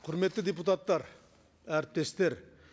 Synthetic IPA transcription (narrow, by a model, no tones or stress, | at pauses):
qʰʊɾmet̪ːɪd̪ep̬ut̪ɑt̪ːˠɑɾ | æɾt̪ːest̪eɾ